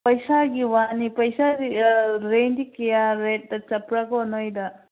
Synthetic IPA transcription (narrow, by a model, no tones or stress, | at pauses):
pɐjsaɡiwanipɐjsaiɾendikejaɾet̚dɐt͡ʃɐpɾakɔnɔjda